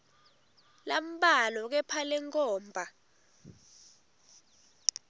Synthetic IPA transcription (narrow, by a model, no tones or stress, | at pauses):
lam̩ɓalɔk̬ɛpʰalɛŋkʰʼɔːmbʱa